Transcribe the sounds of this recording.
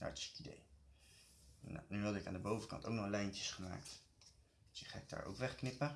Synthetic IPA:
d̥a̰ːɹtɪ̥sɪ̥kidḛj | n̰nyɦɑdɪkaːndəbowvəkɑ̰nto̰wknɔχlɛjncəsχəma̰ːkt | sɪχaːɪɡ̚da̰ːɹʔo̰wkʋɛχknɪpə

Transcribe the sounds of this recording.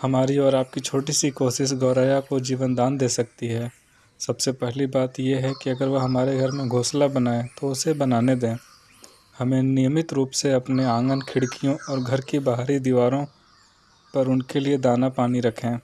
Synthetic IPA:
hɐmaːɾiɔːɾaːp̚kit͡ʃʰoːʈisikoːʃɪsɡɔːɾaːjakod͡ʒiːʋənd̪aːnd̪eːsɐk̚t̪iɦɛː | sɐbsepɛɦlibaːt̪jeɦɛkiɐɡəɾʋoɦɐmaːɾeɡʱɐɾmẽɡʱoːslabɐnaːet̪oʊsebɐnaːned̪ẽː | hɐmẽnijəmɪt̪ɾuːpseɐpneãːŋɡənkʰɪɽkijõɔːɾɡʱɐɾkibaɦɾid̪iʋaːɾõ | pɐɾʊnkelied̪aːnapaːniɾɐkʰẽː

